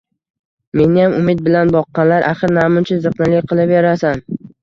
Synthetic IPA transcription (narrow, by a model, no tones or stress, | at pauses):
me̞nɪjamʊmɪt̪̚bɪlanbɒqːɑnlaɾʔaχɨɾnamʊnt͡ʃʰɪzɨqnɪlɪk̚ʲqʰɨlˠɪpjaɾasan